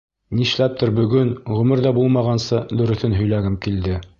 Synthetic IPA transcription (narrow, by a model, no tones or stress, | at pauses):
niʃlæp̚t̪oɾbɵ̆ɡɵnʁɵ̆mɘɾðæbulˠmɑʁɑnsɤd̪ɵ̆ɾɵ̆θɵnɦɵ̆jlæɡɘmkild̪ɘ